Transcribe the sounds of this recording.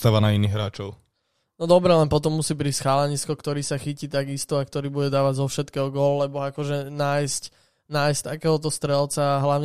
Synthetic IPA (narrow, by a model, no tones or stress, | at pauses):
t̪aʋanainiːɣɦɾaːt͡ʃɔʊ | nɔd̪ɔbɾɛlɛnpɔt̪ɔmːusiːbɾisxaːlɛɲiskɔkt̪ɔɾiːsaxiciːt̪aɡist̪uakt̪ɔɾiːbuɟɛd̪aːʋaɟzɔfʃɛt̪kɛːɦɔɡɔllɛbɔakɔʒɛnaːjsc | naːjsct̪akɛːɦɔt̪ɔst̪ɾɛlt͡saːɦlaʊɲ